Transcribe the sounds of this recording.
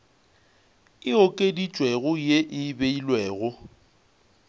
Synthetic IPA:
ɪokʼedit͡ʃʼweɣʊjeʔɪbeilweːɣʊ

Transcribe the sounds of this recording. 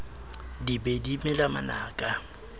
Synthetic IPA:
dibedimɪlama̰naːkʼa

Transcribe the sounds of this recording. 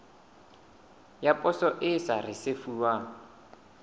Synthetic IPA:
japʼɔsɔʔɪsarɪsefuːwaː

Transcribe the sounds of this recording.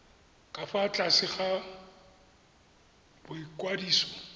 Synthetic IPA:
kʼafat͡ɬʼasɪχa | b̥ʊikʼwadiːsɔ

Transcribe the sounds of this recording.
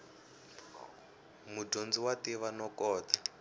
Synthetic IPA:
mudond͡ziwatiβanɔkɔːt̪a

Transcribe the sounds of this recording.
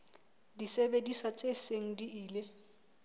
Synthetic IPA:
disebediswat͡sʼeseŋ̩diiːle

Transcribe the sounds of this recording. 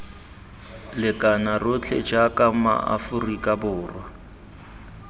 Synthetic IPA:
lɪkʼanarʊt͡ɬʰɛ̰d͡ʒakʼama̰a̰fʊrikʼabʊːrwa

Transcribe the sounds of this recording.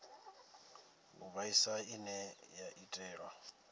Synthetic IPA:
ʊbaisaɪnɛjaʔitʼɛːrwa

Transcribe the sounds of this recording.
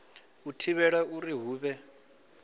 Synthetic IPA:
utʰiβɛɺauɾiɦuːβɛ

